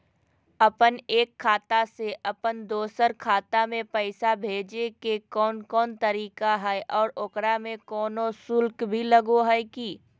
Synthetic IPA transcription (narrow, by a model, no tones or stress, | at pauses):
ɐpəneːkʰːaːt̪aseʔɐpənd̪oːsəɾkʰaːt̪amẽpɛɪsabʱeːd͡ʒekekɔːnkɔːnt̪ɐɾiːkaɦɛʔɔːɾokɾamẽkɔːnosʊlkbʱilɐɡoɦɛɪkiː